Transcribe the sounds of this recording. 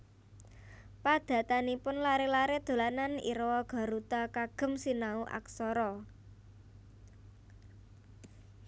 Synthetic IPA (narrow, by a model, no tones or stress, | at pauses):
pad̪̥ä̤t̪anipʊnlaɾelaɾed̪̥o̤lananḭɾwɔɡ̥a̤ɾut̪akaɡ̥ə̤msinauʔa̰ksɔɾɔ